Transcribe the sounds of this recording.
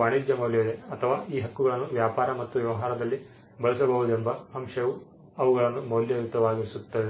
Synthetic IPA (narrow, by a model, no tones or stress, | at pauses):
aːɳid̪jɐmɐwljɐleɐt̪ʰɐʋaːiːɦɐkːuɡɐɭɐnːuʋjaːpaːɾɐmɐt̪ːuʋjɛʋɐɦaːɾɐd̪ɐlːi | bɐɭisɐbɐɦud̪uembɐɦɐmʂɐʋu | ɐʋuɡɐɭɐnːumɐwljɐjut̪ɐʋaːɡiɾisut̪ːɐʋe